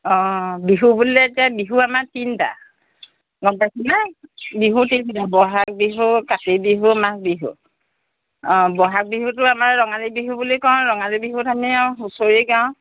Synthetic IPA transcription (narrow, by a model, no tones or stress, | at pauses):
ɔ̃biɦubulɛtiabiɦuamatinta̰ | nɔbajkʰinabiɦutisitabɔɦak̚biɦukatebiɦumak̚biɦṵ | ɔ̃bɔɦak̚biɦutʊamaɹːɔŋalibiɦubulikɔ̃ɹɔŋalibiɦutʰamiaɦusoɹiɡaʊ̃